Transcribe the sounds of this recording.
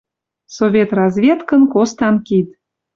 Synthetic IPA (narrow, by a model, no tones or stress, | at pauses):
sovʲet̪rɑzvʲet̪kə̆nkost̪ɑnkit̪